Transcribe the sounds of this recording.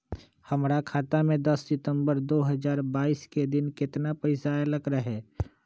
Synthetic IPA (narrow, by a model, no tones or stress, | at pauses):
hɐmɾakʰaːt̪amẽd̪ɐsːɪt̪ə̃mbəɾd̪oːɦəzaːɾbaːiːsked̪ɪnkɪt̪napɐɪsaeləɡɾaɦɛː